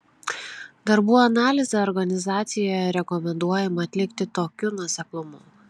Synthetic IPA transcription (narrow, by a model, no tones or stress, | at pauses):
d̪ɐɾbuːɐnɑːlʲɪzʲɛɔɾɡɐnʲɪzɑːt̪sʲɪjojɛɾʲɛkɔmʲɛnd̪uɔjɛmɐːt̪ʲlʲɪkt̪ʲɪt̪oːkʲʊnuɔsʲɛklˠʊmʊ